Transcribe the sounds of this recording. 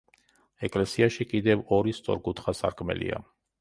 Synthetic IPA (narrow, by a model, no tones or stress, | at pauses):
ɛkʼlɛsiaʃikʼid̪ɛvɔɾist̪sʼɔ̰ɾɡut̪ʰχasa̰ɾkʼmɛ̰lḭa̰